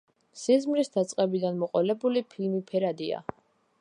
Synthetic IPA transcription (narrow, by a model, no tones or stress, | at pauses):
sizmɾisd̪at̪sʼqʼɛbid̪anmɔqʼɔlɛbulipʰilmipʰɛɾad̪ia̰